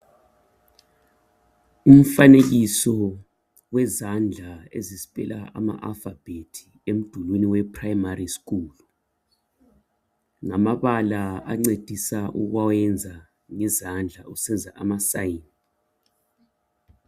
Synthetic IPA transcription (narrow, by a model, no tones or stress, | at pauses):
um̩fanek̬isɔ | wɛzand͡ɮʱaḛzizipʼɛ̰laʔa̰ma̰ʔa̰lfab̥ʱetʰi̥ | em̩d̥ʱulwiniwɛpʰrajmarisk̬uːlu | ŋamaɓalaaŋ͡ǀed̥ʱisaʔṵk̬wawɛnd͡zʱa | ŋɛzand͡ɮʱausɛnd͡zʱaʔamasajin